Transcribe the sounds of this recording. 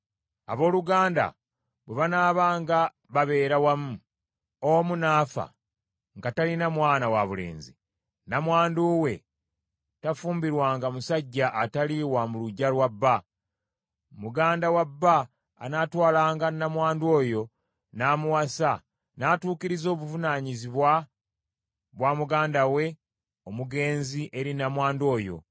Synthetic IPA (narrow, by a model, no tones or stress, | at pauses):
a̰βo̞ːluɡaːnda̰ | βweβanaːβaːŋɡa | βaβe̞ːɾawamu | omunaːfa̰ | ŋɡatalinamwaːnawaβule̞̰ːnzḭ | namwaːnduwe̞ | tafuːmbiɾwaːŋɡamusaɟːaʔːtaliwamuluɟːalwabːa | muɡaːndawabːa̰ː | natwaːlaːŋɡanamwaːndo̞ːjo̞ | naːmuwasa | naːtuːkiɾizo̞ːβuvunaɲiziβwa | βwamuɡaːndawe̞ | omuɡe̞ːnziʔe̞ɾinamwaːndo̞ːjo̞̰